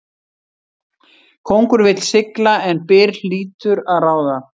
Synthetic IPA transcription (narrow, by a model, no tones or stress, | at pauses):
kʰowŋkʏɾvɪt̪l̥sɪklaɛnpɪːɾl̥iːt̪ʏɾaðraːwða